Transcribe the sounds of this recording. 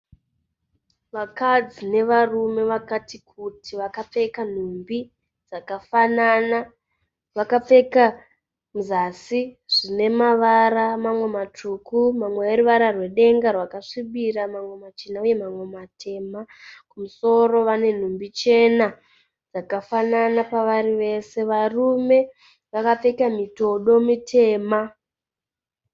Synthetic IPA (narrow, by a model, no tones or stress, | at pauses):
ʋakad͡zine̞ʋarume̞ʋakatikʰutʰiʋakap͡fe̞kan̤umbi | d͡zakafanana | ʋakap͡fe̞ka | muzasiʐ̥ine̞maʋaɾamamwe̞matʰukumamweeruʋaɾarwe̞ɗe̞ŋɡarwakaʂiɓiɾamamwe̞mat͡ʃinauje̞mamwe̞matʰe̞ːmakumuso̞ro̞ʋane̞n̤umbit͡ʃe̞na | d͡zakafananapaʋaɾiʋe̞se̞ʋarume̞ | ʋakap͡fe̞kamito̞ɗo̞mitʰe̞ːma